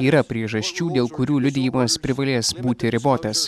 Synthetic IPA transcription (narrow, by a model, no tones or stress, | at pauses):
iːɾɐpʲɾʲiɛʒɐsʲt͡ʃʲuːd̪ʲeːlˠkʊɾʲuːlʲʊd̪ʲɪjʊmɐspʲɾʲɪʋɐlʲeːsbuːt̪ʲɪɾʲɪboːt̪ɐs